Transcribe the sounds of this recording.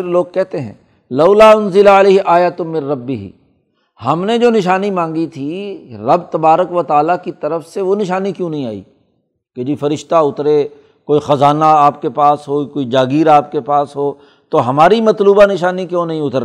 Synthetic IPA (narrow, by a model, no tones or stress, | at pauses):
pɪɾloːɡ̚kɛɦt̪eɦɛ̰̃ː | lɐʊlaːʊnzɪlaɪleːɦʔaːjat̪mɪ̃nɾɐbːɪɦḭ | hɐmned͡ʒoːnɪʃaːnimãːŋɡit̪ʰiɾɐbt̪ɐbaːɾəkʋɐt̪aːlakit̪ɐɾəfseʋonɪʃaːnikjõːnɐɦĩaːḭː | ked͡ʒiːfɐɾɪʃt̪aʊt̪ɾe | koːixɐzaːnaaːpkepaːsɦoːkoːid͡ʒaːɡiːɾaːp̚kepaːsɦoː | t̪oɦɐmaːɾimɐt̪luːbanɪʃaːnikjõːnɐɦĩʊt̪əɾ